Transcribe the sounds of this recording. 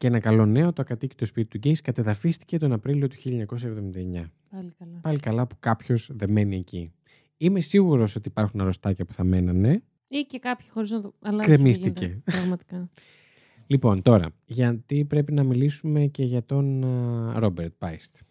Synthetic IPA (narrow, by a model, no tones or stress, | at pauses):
ceenɐkɐlo̞ne̞o̞t̪oɐkɐt̪ici̥t̪o̞spit̪it̪uɟejskɐt̪ɐðɐfist̪ice̞t̪o̞nɐpɾilio̞t̪u̥çilʎɐɲɐkos̬ɐevðomind̪ɐeɲɐ | pɐlikɐlɐpu̥kɐpço̞zðe̞me̞nie̞ci | ime̞siɣuɾo̞so̞t̪iːpɐɾxunɐɾo̞st̪ɐcɐpu̥θɐme̞nɐne̞ | icekɐpçi̥xo̞ɾiznɐt̪oɐlɐkɾemist̪ice̞pɾɐɣmɐt̪i̥kɐ | lipo̞nt̪o̞ɾɐ̰ʝɐt̪ipɾe̞pinɐmilisume̞ce̞ʝɐt̪o̞nɾo̞beɾt̪̚pɐist̪